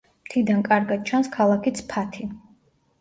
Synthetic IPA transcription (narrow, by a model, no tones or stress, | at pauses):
mt̪ʰid̪ankʼaɾɡad̪̥̚t͡ʃʰanskʰalˠakʰit̪sʰpʰat̪ʰi